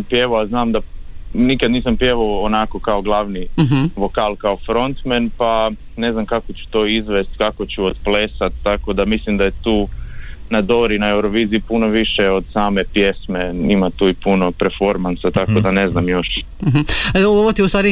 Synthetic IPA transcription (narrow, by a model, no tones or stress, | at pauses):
mpjeʋoaznaːmd̪anikad̪niːsampjeʋoonako̞kaoɡlˠaʋniʋokaːlˠkaofɾo̞nt̪menpa | ne̞znamkakot͡ɕu̥t̪oːizʋest̪kako̞t͡ɕuod̪plesat̪̚ːakod̪amislimd̪ajet̪uːnad̪oɾinae̞wɾoʋiːziːpunoʋiʃeo̞d̪̥saːmepje̞smeimat̪uːipuno̞peɾfo̞ɾmansat̪akod̪ane̞znamjo̞ʃ̩ | ɦ̩oʋot̪iust̪ʋaːɾi